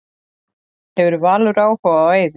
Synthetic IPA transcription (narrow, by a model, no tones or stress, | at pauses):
hɛvʏɾvaːlʏɾaːwhɔvaœːɥð